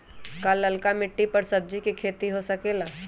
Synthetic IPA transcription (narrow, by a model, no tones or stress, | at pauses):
kalːɐlkamɪʈːipɐɾsɐb̚d͡ʒikikʰeːt̪iɦosɐkeːlaː